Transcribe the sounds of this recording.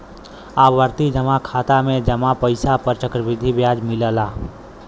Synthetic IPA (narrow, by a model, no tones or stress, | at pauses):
aːʋəɾt̪id͡ʒəmakʰaːt̪amẽd͡ʒəmapəɪsapəɾt͡ʃəkɾəʋɪd̪ʱibjaːd͡ʒmɪləlaː